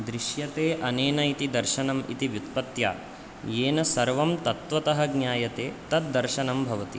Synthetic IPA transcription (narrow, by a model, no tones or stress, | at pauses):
d̪ɾiʃjɐt̪eːʔɐneːnɐjit̪id̪ɐɾʃɐnɐmḭt̪iʋjut̪̚pɐt̪ja̰ː | jeːnɐsɐɾʋɐmt̪ɐt̪ʋɐt̪ɐɦɐɡɲjaːjɐt̪eːt̪ɐt̪̚d̪ɐɾʃɐnɐmbʱɐʋɐt̪ḭ